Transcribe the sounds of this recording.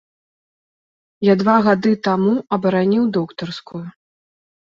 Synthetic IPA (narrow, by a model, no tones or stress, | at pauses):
jad̪vaɣad̪ɨt̪amuɐbɐɾanʲiwd̪ɔkt̪ɐrskuju